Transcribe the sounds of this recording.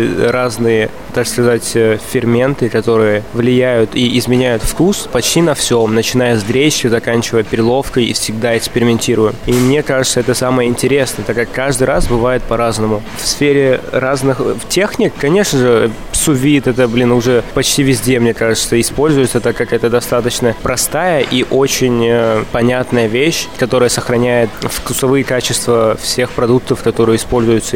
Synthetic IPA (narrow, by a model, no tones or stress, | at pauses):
ɾaznɨjə | t̪akskɐzatʲəfʲɪrmʲe̞nt̪ɨkɐt̪o̞ɾɨjəvlʲɪjæjʊt̪iʔɪzmʲɪnʲæjʊt̪fkuspɐt͡ɕtʲinɐfsʲomnət͡ɕɪn̪ajəzd̪ɾʲeɕjəzɐkanʲt͡ɕɪvəjəpʲɪɾʲɪlˠo̞fkəjḭfsʲɪɡd̪aɪkspʲɪɾʲɪmʲɪnʲtʲiɾʊjɪmimnʲe̞kaʐɨt̪səɛt̪əsaməjəɪnʲtʲɪɾʲe̞snəjət̪akːakːaʐd̪ɨjɾasbɨvajɪt̪̚pɐɾaznəmʊfsfʲeɾʲɪraznɨxtʲe̞xnʲɪkːɐnʲe̞ʂnəʐɨ | sʊvʲit̪ɛt̪əblʲinʊʐɛpɐt͡ɕtʲivʲɪzʲdʲemnʲe̞kaʐɨt̪əɪspo̞lʲzʊjɪt̪sət̪akːakɛt̪əd̪ɐst̪at̪ət͡ɕnəpɾɐst̪ajəʔiʔo̞t͡ɕɪnʲəpɐnʲat̪nəjəvʲeɕkɐt̪o̞ɾəjəsəxɾɐnʲæjɪt̪fkʊsɐvɨjɪkat͡ɕɪst̪vəfsʲe̞xpɾɐd̪uk̚t̪əfkɐt̪o̞ɾɨjəɪspo̞lʲzʊjʊt̪sə